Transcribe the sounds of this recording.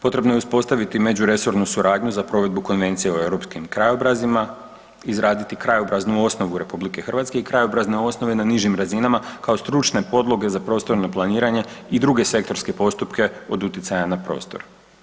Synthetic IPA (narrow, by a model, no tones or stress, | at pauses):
po̞t̪ɾe̞bno̞j̞uspo̞st̪aʋit̪ime̞d͡ʑuɾe̞so̞ɾnusuɾaːd̪ɲuzapɾo̞ʋe̞d̪̚buko̞nʋe̞nt̪sije̞oe̞wɾo̞pskimkɾajobɾazima | izɾaːd̪it̪ikɾajo̞bɾaznuo̞sno̞ʋuɾe̞publike̞xər̩ʋat̪ske̞ikɾajo̞bɾazne̞o̞sno̞ʋe̞naniʒimɾazinamakaost̪ɾut͡ʃne̞po̞d̪lˠo̞ɡe̞zapɾo̞st̪o̞ɾnoplˠaniːɾaɲe̞id̪ɾuɡe̞se̞kt̪o̞ɾske̞po̞st̪upke̞o̞d̪ut̪jit̪sajanapɾo̞̰ːst̪o̞̰ɾ